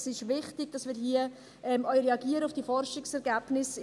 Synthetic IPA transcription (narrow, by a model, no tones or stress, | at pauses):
sɪʃʋɪχtɪɡ̥̚d̥ɑsmɪːɾɦiə | ʔɛmœʏɾeɑɡiːəɾəʊfd̥iːfɔɾʃɪksɛɾɡæːb̥nɪs